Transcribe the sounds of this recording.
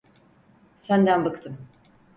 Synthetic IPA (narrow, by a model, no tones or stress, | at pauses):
sænd̪ænbakt̪ʰɯm